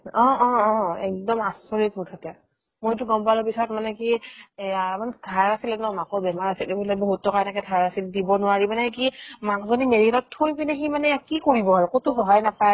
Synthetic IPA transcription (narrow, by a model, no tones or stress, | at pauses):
ɔ̃ɔ̃ɛk̚dɔmasɔɹitmutʰatɛ | motʊɡɔmpalɔpisaɔtmanɛkiamandʰʱaɹasilɛnɔmakɔbɛmaɹasiltebulɛboɦutʰːɔkanakɛdʰʱaɹasildibɔnʊwaɹimanɛkimakzɔnimeɹitɔtʰːojpinɛximanɛkikoɹibɔaɹukotʊxɔɦajnapaj